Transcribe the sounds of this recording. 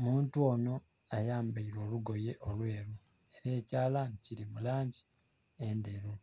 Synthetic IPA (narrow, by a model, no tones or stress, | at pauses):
muːntuo̞ːno̞ | ajaːmbaiɾo̞ːluɡo̞je̞ʔolwe̞ːɾu | e̞ɾe̞ːcaːlaniciɾimulaːɲɟi̥ | endeɾu